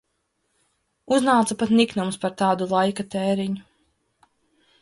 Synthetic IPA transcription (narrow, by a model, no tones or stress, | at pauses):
uznaːt̪sapat̪niknumspaɾt̪aːd̪ulˠajkat̪ɛːɾiɲu